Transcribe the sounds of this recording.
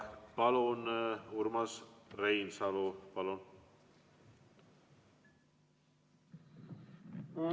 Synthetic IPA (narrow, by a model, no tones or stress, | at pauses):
palonuɾmasrejnsalobalon